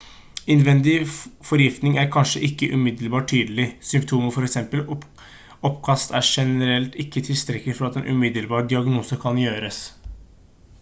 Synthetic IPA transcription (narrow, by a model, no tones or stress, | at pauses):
ɪnʋɛnd̪ɪfɔɾjɪft̪nɪŋæɾkʰɑnʂəʔɪkːəʔʉmɪd̪əlbɑːʈʰyːd̪əlɪsʏmpt̪ʰuːməfɔɾɛksɛmpəl | ɔpːkʰɑst̪æʂɛnəɾɛlt̪ɪkːət̪ʰɪlst̪ɾɛk̪ːɪfɔɾɑt̪ɛnʔʉ̰mɪd̪əlbɑːɾɖ̪ɪɑɡnuːsəkʰɑnjøːɾəs